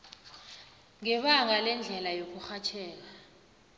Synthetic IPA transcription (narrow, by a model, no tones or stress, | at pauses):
ŋɛɓaŋalɛnd͡ɮʱɛlajok̬uxat͡ʃʰɛːk̬a